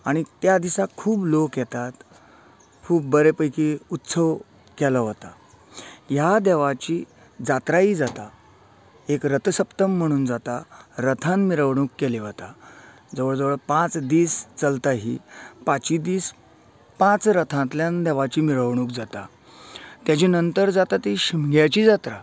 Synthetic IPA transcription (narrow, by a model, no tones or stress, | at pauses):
aɽ̃it̪jad̪isakʰuːblokjɛt̪at̪ | kʰuːb̚ːəɾepəjkiut̪səʋ | kɛləɦot̪a | jad̪ɛʋat͡ɕiː | d͡zat̪ɾaiːd͡zat̪a | ekɾət̪ʰəsəpt̪əm̤ːəɽ̃uːnd͡zat̪aɾət̪ʰãnmiɾəʋɳ̃uːkːɛliʋət̪a | d͡zəʋəɭd͡zəʋəɭpãt͡sd̪iːst͡səlt̪aɦḭpat͡ɕid̪iːs | pãt͡sɾət̪ʰãt̪ljãnd̪ɛʋat͡ɕiːmiɾəʋɳ̃uːk̚d͡zat̪a | t̪jat͡ɕinənt̪əɾd͡zat̪at̪iɕimɡjat͡ɕiːd͡zat̪ɾa